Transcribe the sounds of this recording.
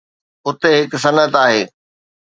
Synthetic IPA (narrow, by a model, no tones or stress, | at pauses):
ʊt̪eɦɪksɐnət̪aːɦeː